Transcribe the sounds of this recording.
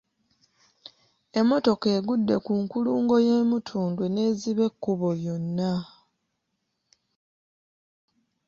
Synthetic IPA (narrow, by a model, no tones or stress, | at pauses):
e̞mːo̞to̞ke̞ːɡudːe̞kuŋkuluːŋɡo̞jeːmutʰuːndwene̞ːziβe̞kːuβojo̞nːa